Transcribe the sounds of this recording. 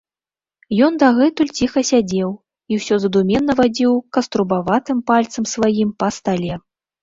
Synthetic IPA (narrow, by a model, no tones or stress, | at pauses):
jɔnd̪aɣɛt̪ulʲt͡sʲixɐsʲad͡zʲɛw | iwsʲɔzɐd̪umʲɛnːɐvad͡zʲiwkɐst̪ɾubavat̪ɨmpalʲt̪sɐmsvajimpɐst̪alʲɛ